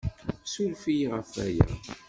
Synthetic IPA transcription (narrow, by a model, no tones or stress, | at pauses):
sulfiʁəfæ̰jæ̰